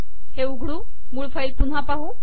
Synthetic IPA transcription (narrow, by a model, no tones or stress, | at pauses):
heuɡʱɽu | muɭfəjt̪un̤ɦapaɦu